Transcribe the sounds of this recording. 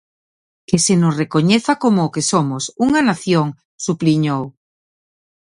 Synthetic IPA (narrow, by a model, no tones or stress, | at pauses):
kesenʊsrekoɲeθakomʊːkesomʊsuŋanaθjoŋ | supliɲow